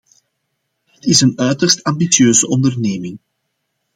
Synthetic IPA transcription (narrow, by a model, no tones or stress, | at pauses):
ɦətɪsənœɥtərstɑmbisjøːzəʔɔndərneːmɪŋ